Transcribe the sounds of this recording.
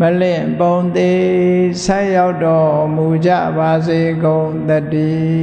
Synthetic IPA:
mə˨lɪ̃˨põ˨ʊ̃nt̪e˨sʰã˦˨ja˦ʊtːɔ˨mu˨d͡ʑä̰˦˨ba˨ze˨ɡõ˨ʊ̃t̪ə˦˨tːi˨

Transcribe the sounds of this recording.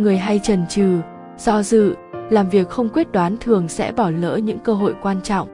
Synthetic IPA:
ŋɨ˨˩əjɦa˧jt͡ɕə˨˩nt͡ɕɨ˨˩ | z̥ɔ˧zɨ̰˧˨laː˨˩mvi˨˩ək̚xə˧wŋ͡mkwi˦˥t̚ɗwaː˨˦nt̪ʰɨ˨˩əŋsɛ̰˧˥ɓɔ˧˩lə̰ː˧˥ɲɨ̰˧˥ŋkəː˧ɦo̰˧˨jkwaː˧nt͡ɕɔ̰˧˨wŋ͡m

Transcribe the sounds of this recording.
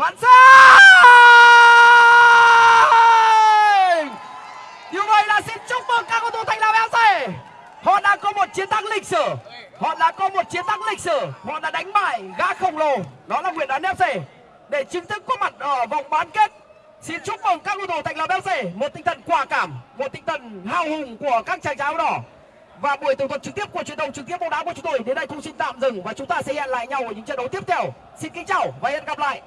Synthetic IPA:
kwaː˧˥nsaː˧˦ | ɗi˨˩əwmə˨˩jla̰ː˨˩si˧nt͡ɕʊ˦˥k͡p̚və˨˩ŋkaː˦˥k̚ʔo˧˩t̪o˧˩t̪ʰa˨˩ŋ̟laː˧˩wʔɛ˨˦wse˧˩ | hɔ̰˧˨ɗaː˧ŋkɔ˨˦mo˨˩t̚t͡ɕi˨˦ənt̪ʰa˨˧˥ŋlï˨˩k̟̚sɨ˧˩ | hɔ̰˧˨ɗa̰ː˧˥kɔ˨˦mo˨˩t̚t͡ɕi˨˦ənt̪a˨˧˦ŋlï˨˩k̟̚sɨ˧˩hɔ̰˧˨ɗa̰ː˧˥ɗa˨˦jŋ̟maː˧˩jɣaː˧xə˨˩wŋ͡mlo˨˧˩nɔ˨˦laː˨˩ŋwḭ˧˨ənɗɔ˨˦nːɛ˧˦wse˧˩ | ɗe˧˩t͡ɕi˨˦ŋt̪ʰɨ˦˥kːo˨˦ma˨˩t̚ʔəː˧˩va˨˧˩wŋ͡mɓaː˨˦nke˦˥t̚ | si˧nt͡ɕʊ˦˥k͡p̚və˨˩nkaː˦˥k̚ʔo˧˩t̪o˧˩t̪a̰˧˨jŋlaː˨˧˩mʔɛ˦˥p̚se˧˩mo˨˩t̪̚ï˧˦t̪ʰə˨˩nkwaː˧˩kaː˧˩mːo˨˩t̚t̪ʰï˧˦ŋ̟t̪ʰə˧˨˩nhaː˧˩whʊ˨˩ŋ͡mku˧˩əkaː˦˥k̚t͡ɕaː˧˩ŋt͡ɕaː˨˦˧ɗɔ˧˩ | vaː˨˩ɓu˧˩ət̪ə˧˩t̪ʰə˨˩t͡ɕɨ˨˩k̚t̪i˦˥əp̚ku˧˩ət͡ɕwi˨˩əntə˧˩wŋ͡mt͡ɕɨ˨˩k̚t̪əp̚ɓa˧wɗaː˨˦wku˧˩ət͡ɕʊ˨˦ŋ͡mt̪o˧jɗe˨˦nɗə˧jk̪ʊ˧ŋ͡msi˧nt̪a̰ː˧˨mzɨ˨˩ŋvaː˨˩t͡ɕʊ˨˦ŋ͡mt̪aː˧sɛ̰˧˥zɛ̰˧˨nla̰ː˧˨jɲa˧wʔə˧˩ɲɨ̰˧˥ŋt͡ɕə̰˧˨nɗə˨˦wt̪i˦˥əp̚t̪ʰɛ˧əw | si˧nkï˨˦ŋt͡ɕaː˧˩wvaː˨˩ʔɛ˧˨nɣa˨˩p̚la̰ː˧˨jʔ

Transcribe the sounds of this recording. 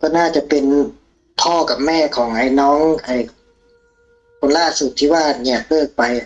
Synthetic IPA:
kɔː˥˩˨naː˥˩t͡ɕa˨˩ʔpe˧n | p̪ʰɔː˧˥˩ka˨˩p̚mɛː˧˥˩kʰɔː˩˦ŋʔa˧jnɔː˦˥ŋha˧˩j | kʰo˧˦nlaː˧˥˩su˨˩t̪ʰːiː˧˩waː˧˩ʔ̚ɲiɛ˧˩k̚lɤː˥˩k̚pa˧j

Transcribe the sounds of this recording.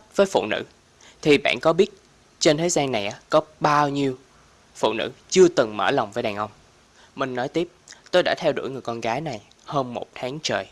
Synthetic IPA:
vəː˨˦jfṵ˧˨nɨ̰˧˥ | t̪ʰi˨˩ɓa̰ː˧˨nkɔ˨˦ɓi˦˥ət̚ | t͡ɕe˧nt̪ʰe˨˦jzaː˧nːa˨˩jʔaː˨˦kɔ˨˦ɓaː˧wɲi˧əw | fṵ˧˨nɨ̰˧˥t͡ɕɨ˧ət̪ɨ˨˩ŋmə̰ː˧˩lɔ˨˩wŋ͡mvəː˨˦jɗaː˨˩ŋʔə˧wŋ͡m | mï˨˩ŋ̟nɔ˨˦jt̪i˦˥əp̚t̪o˧jɗa̰ː˧˥t̪ʰɛ˧wɗṵ˧˩jŋɨ˨˩jkɔ˧nɣaː˨˦jna˨˩j | həː˧mmo˨˩t̚t̪ʰaː˨˦ŋt͡ɕəː˨˩j

